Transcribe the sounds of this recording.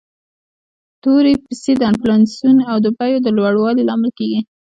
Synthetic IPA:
t̪oɾepised̪əanplansunawd̪əbajod̪əlwaɽwɑlilɑmɪlkeɡi

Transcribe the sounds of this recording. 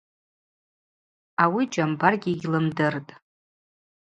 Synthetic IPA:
awid͡ʒambarɡʲiɡʲlɨmdɨrtʼ

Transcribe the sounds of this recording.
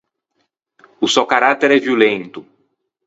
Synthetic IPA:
ʊsewkaɾat̪eɾɛviolẽnt̪ʊ

